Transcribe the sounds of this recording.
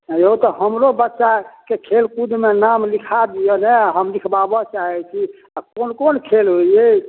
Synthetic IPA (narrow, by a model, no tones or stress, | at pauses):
joũt̪ɔɦəmɾobətːʃakekʰelkud̪menamlikʰad̪ijɛneaɦəmlikʰbabɔt͡ʃaɦɛt͡ʃʰi | akonkonkʰelɦoje